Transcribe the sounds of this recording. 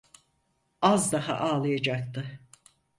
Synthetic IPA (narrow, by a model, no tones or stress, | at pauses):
azd̪aɦa̰ʔaːlˠɯjad͡ʒak̚t̪ʰɯ